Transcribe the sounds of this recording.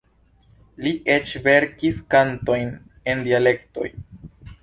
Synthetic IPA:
liʔet͡ʃve̞ɾkiskanto̞jn | e̞ndiale̞kto̞̰j

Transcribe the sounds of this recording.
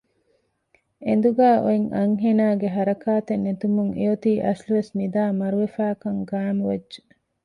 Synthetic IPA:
end̪uɡaːʔoiŋʔɐŋɦenaːɡeɦɐɾɐkaːt̪enːet̪umuŋeot̪iːʔɐsluʋesnid̪aːmɐɾuʋefæːkɐŋɡaːnuʋɐdʒe̥

